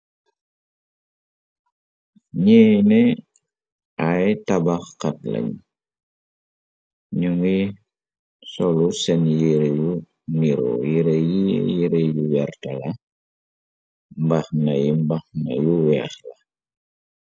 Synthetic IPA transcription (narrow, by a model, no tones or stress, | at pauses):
ɲɛnɛ | ajtabaxkat̚lɐ̰ɲ | ɲuŋi | sɔlusɛnjiɾeju | niɾɔ̰jiɾejijiɾejuwɛrtalɐ | mbaxnɐjimbaxna̰juwɛxla